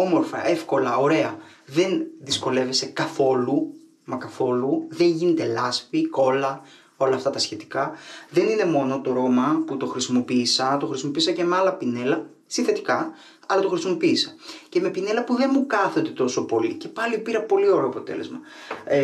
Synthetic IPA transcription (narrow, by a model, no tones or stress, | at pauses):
o̞mo̞ɾfɐ̰ʔe̞fko̞lɐo̞ɾe̞ɐ | ðe̞nðisko̞le̞ve̞se̞kɐθo̞lu | mɐkɐθo̞luðe̞ɲʝine̞t̪e̞lɐsfiko̞lɐ | o̞lɐːft̪ɐt̪ɐsçe̞t̪i̥kɐðe̞nine̞mo̞no̞t̪o̞ɾo̞mɐput̪o̞xɾisimo̞piːsɐt̪o̞xɾisimo̞piːsɐce̞meɐlɐpine̞lɐ | sinθe̞t̪i̥kɐ | ɐlɐt̪o̞xɾisimo̞piːsɐce̞me̞pine̞lɐpuðe̞nmukɐθond̪e̞t̪o̞so̞po̞lḭce̞pɐlipiɾɐpo̞lio̞ɾeoɐpo̞t̪e̞̰le̞̰zmɐ